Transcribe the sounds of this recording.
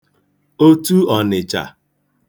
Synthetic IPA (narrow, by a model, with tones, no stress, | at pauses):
o˦tu˦ɔ˨nɪ˨t͡ʃa̰˨